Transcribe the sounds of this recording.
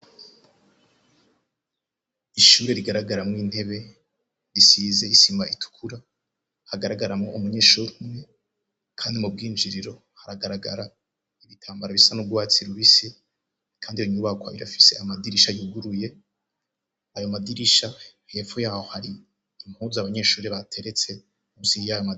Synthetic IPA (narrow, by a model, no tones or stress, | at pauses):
iʃuɾe̞ɾiɡaɾaɡaɾamŋiːn̥he̞βe̞ | ɾisiːze̞isimbaitʰu̥kʰuɾa | haɡaɾaɡaɾamŋoʔumuɲeʃuɾmŋe̞ | kʰaːndimub̚ɡiːnd͡ʒiɾiɾo̞ | haɾaɡaɾaɡa̰ɾa | iβitʰaːmbaɾaβisanub̚ɡwaːt͡siɾuβise | kʰaːndiɾoɲuːβakwaiɾa̰fi̥se̞amadiɾiʃajuɡuɾuje̞ | ajo̞madiɾiʃa | he̞ːfojaːhohaɾiː | m̥huzaβaɲe̞ʃuːɾeβatʰe̞ɾe̞t͡se̞ | muziijajoma